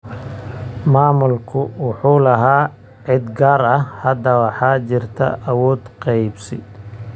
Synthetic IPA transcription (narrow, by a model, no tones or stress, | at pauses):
maːmʊlkʰʊwɑħuːlɐɦaː | ʕɪd̪ɡaːɾɐhhɐd̪ɐwɑħɑːt͡ʃɪrt̪ʰɐ̰ʔɐwɔːd̪qɑjbsɪ̰